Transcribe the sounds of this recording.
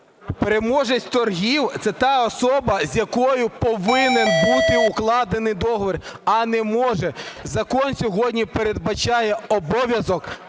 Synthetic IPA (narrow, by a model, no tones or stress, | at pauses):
peɾemɔʒɐsʲt̪ɔrɦʲiwt̪sɛt̪ɑɔsɔbɐzʲjɐkɔjʊpɔʋɪnenbut̪ɪʊklˠɑd̪enɪjd̪ɔɦɔʋɔrɐnɛmɔʒɛzɐkɔnsʲɔɦɔdʲnʲipeɾed̪̚bɐt͡ʃɑjɛɔbɔʋʲjɐzɔk